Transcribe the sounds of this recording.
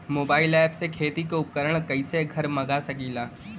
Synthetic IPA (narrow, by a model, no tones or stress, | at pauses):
moːbaːɪlɛːpsekʰeːt̪ikoʊp̚kəɾəɽ̃kɐĩseɡʱɐɾmɐɡasɐkiːlaː